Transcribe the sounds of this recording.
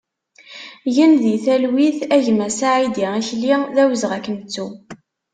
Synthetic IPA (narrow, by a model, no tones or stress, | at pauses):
jənðiθælwiθæʝmæsaʕid̪iʁiçliðæwəzʁækːənt͡sːu